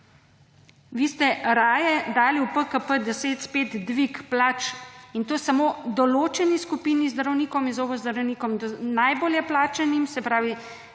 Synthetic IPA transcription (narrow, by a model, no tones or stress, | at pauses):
ʋiːst̪ɛɾaːjɛd̪aːliupəkəpəd̪ɛseːt̪speːt̪d̪ʋikplaːt͡ʃint̪oːsamod̪ɔloːt͡ʃɛniskupiːnizd̪əɾɔwniːkɔminzoːɡɔzd̪ɾɐwniːkɔmd̪najboːljɛplaːt͡ʃɛnimsɛpɾaːʋi